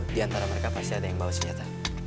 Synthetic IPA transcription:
diant̪aɾaməɾekapast̪iadajaŋbausəɲd͡ʒat̪a

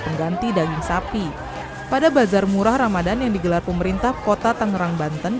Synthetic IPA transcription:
pəŋɡant̪idaɡɪŋsapi | padabazarmuɾahramadanjaŋdiɡəlarpəməɾint̪ahkot̪at̪əŋəɾaŋbant̪ən

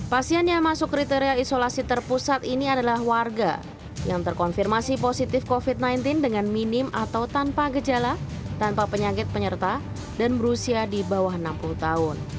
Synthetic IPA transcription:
pasianjamasʊkɾit̪eɾialisolasit̪ərpusat̪iniadalahwarɡa̰ | jaŋt̪ərkɔnfirmasiposit̪ɪfkofit̪̚najnt̪ɪndəŋanminɪmʔa̰t̪awt̪anpaɡəd͡ʒala | t̪anpapəɲakɪt̪̚pəɲərt̪a | danbəɾusiadibawaɦənampuluht̪aʊn

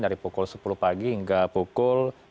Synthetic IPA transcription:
daɾipukʊlsə̥puluhpaɡiiŋɡapukʊl

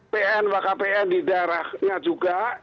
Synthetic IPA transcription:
peʔɛnwakapeɛndidaɾahɲad͡ʒuɡa

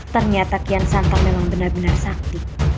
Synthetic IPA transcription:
t̪ərɲat̪akiansant̪aŋmemaŋbənarbənarsak̚t̪i

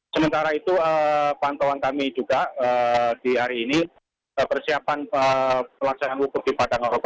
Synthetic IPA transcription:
səmənt̪aɾait̪uəpant̪owankamid͡ʒuɡ̥aʔəd̥iɦaɾiːni | əpərsiapanəpəlaksananwukʊt̪̚dipadaŋaɾok̪a

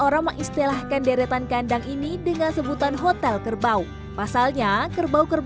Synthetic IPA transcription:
oɾaŋməŋist̪ilahkandeɾet̪ankandaŋʔinidəŋansəbut̪anɦot̪ɛlkərbau | pasalɲakərbaukər

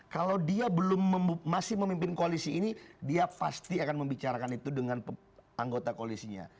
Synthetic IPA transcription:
kalawdiabəlʊmːəmasɪhməmimpɪnkoalisiːnidiapa̰st̪iakanməmbit͡ʃaɾakanit̪udəŋanp | aŋɡot̪akoalisiɲa̰

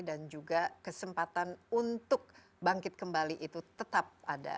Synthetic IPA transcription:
dand͡ʒuɡakəsəmpat̪anunt̪ʊk̚ | baŋkɪt̪̚kəmbaliʔit̪ut̪ət̪ap̚ada̰

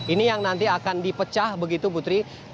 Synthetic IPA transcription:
inijaŋnant̪iakandipət͡ʃahbəɡit̪uput̪ɾi

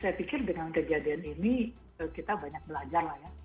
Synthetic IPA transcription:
sajapikɪrdəŋankəd͡ʒadianini | əkit̪abaɲak̚bəlad͡ʒarlahja

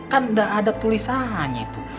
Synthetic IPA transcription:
kandaʔːdap̚t̪ulisaɦaɲait̪u

